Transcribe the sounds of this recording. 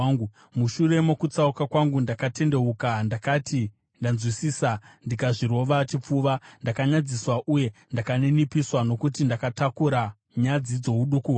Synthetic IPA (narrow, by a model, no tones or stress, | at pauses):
ŋɡu | muʃure̞mokut͡saukakwaŋɡundakate̞nde̞ukandakati | ndanzwisiːsandikaʐiɾo̞ʋat͡ʃip͡fuːʋandakaɲad͡ziswaʔuje̞ndakanenipiswano̞kutindakatakuɾa | ɲad͡zid͡zo̞ɦuɗukuɦwa